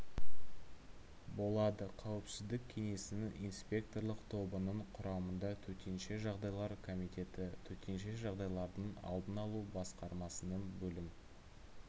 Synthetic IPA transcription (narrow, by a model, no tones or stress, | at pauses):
bo̞lˠɑd̪əqʰɑwɪpsɪzd̪ɪk̚ʲʰːe̞ŋe̞sɪnɪŋijnspʲe̞k̚t̪o̞rlˠəqt̪ʰo̞bənəɴqʰʊɾɑmənd̪ɑt̪ʰɵt̪e̞nʃe̞ʒɑʁd̪ɑjlˠɑɾkʰo̞mijt̪e̞t̪ɪt̪ʰɵt̪e̞nʃe̞ʒɑʁd̪ɑjlˠɑɾd̪əɴɑ̰lˠd̪ənɑlˠubɑsqɑɾmɑsənənbɵlɪm